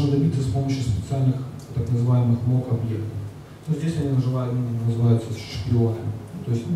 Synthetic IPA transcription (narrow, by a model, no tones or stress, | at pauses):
nəd̪ɐbʲit̪səspo̞məɕjʊspʲɪt̪sɨalʲnɨxt̪əknəzɨvajɪmɨxmlˠokɐbjekt̪əf | nuzʲdʲesʲɐnʲinəʐɨlˠajʊt̪mʲinʲɪnʲnəzɨvajʊt̪səsʃɨ̥pʲɪonʲət̪o̞ɪsʲtʲ